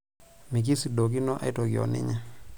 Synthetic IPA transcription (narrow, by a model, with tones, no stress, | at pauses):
mi˨k̬i˦si˨do˨k̬i˦nɔ˦ʔa̰˦ɪ˦tɔ˨ɡjɔ̰˨nɪ̰˦ɲa˦